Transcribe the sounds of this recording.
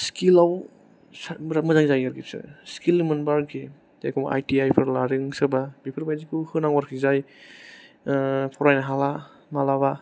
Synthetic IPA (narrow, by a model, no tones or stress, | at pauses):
skilaw | smɾamɐzaŋzajaɾɡisɯ̰skilɯmɯnbaɾkʰi | ḛkʰɔmʔa̰jtiajpʰɯɾlaɾɯŋsɯbabipʰɯɾbajzikʰɯhɯnaŋwaɾkʰizaj | pʰɔɾajnaɦala | nalaβa